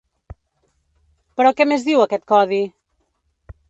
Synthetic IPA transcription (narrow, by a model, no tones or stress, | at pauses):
pəɾɔkɛmezðiwəkɛt̪kɔði